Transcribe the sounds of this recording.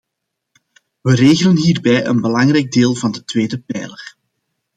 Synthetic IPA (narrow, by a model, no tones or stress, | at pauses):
ʋəreːɣələnɦiːrbɛjʔə̰nbəlɑŋrɛjɡ̚deːlˠvɑndətweːdəpɛjlər